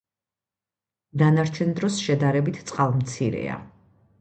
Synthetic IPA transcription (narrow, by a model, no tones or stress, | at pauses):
d̪anaɾt͡ʃʰɛnd̪ɾɔsʃɛd̪aɾɛbit̪ʰt̪sʼqʼalˠmt̪sʰiɾɛ̰a̰